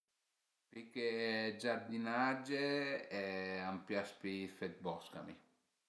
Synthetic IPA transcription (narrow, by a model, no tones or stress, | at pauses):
piked͡ʒaɾd̪inad͡ʒeɛampjaspifɛt̪̚bɔska̰mḭ